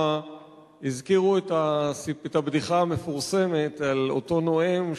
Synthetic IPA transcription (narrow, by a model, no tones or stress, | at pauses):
a | izkiʁuetasietabdiχaame̞fuʁse̞metalo̰to̞no̞em